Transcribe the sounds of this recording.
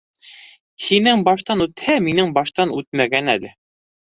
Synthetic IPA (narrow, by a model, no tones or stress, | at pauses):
hinɘŋbɑʃt̪ɑnʉt̪hæminɘŋbɑʃt̪ɑnʉt̪̚mæɡænælɘ